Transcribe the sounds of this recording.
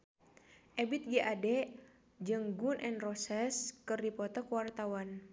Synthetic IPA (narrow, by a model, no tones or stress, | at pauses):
ʔɛbit̪̚ɡiʔadɛ | d͡ʒɨŋɡunʔɛnrɔsɛskɨrdipɔt̪ɔkəwart̪awan